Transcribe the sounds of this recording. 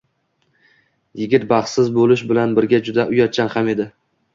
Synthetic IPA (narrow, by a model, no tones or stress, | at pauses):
jɪɡʲɪt̪̚bɑχsɪzbolɪʃbɪlanbɪɾɡʲad͡ʒʊd̪aʔʊjɒt͡ʃʰːanhame̞d̪ɪ